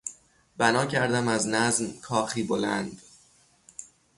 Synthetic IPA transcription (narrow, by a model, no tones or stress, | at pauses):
b̥ænɒːcʰæɾd̪æmæznæznkʰɒːxiːbolænd̪̥